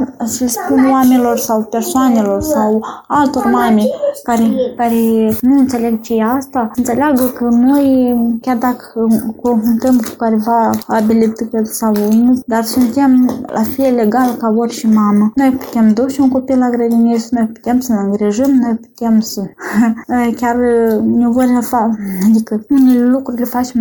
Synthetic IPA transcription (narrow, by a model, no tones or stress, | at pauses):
səlʲspunoamʲelo̞rsawpersoanelo̞rsawalt̪o̞rmamʲekaɾekaɾenuɨnt̪se̞lʲeɡt͡ʃejaast̪aənt̪seleaɡəkəno̞jkʲard̪akəkonfunt̪əmku̥kaɾevaːbʲilʲib̚t̪ɨkelsawunud̪arsunt̪ʲemlʔa̰felleɡalkavoɾʲʃimamənojpu̥t̪ʲemd̪oʃunkopilaɡɾəd̪ʲinisnojpu̥t̪emsənɨŋɡɾiʒəmnojpu̥t̪ʲemsə | kʲarnʲevoɾʲfaad̪ikəunʲellukɾulʲefat͡ʃem